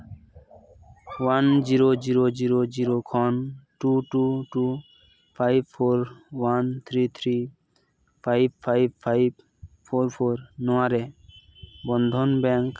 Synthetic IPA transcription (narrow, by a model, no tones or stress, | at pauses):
wand͡ʒiɾod͡ʒiɾod͡ʒiɾod͡ʒiɾokʰɔnʈuʈuʈu | pʰajbpʰoɾwant̪ʰɾit̪ʰɾi | pʰajbpʰajbpʰajb | pʰoɾpʰoɾnɔaɾe | bɔnd̪ʱɔnbɛŋk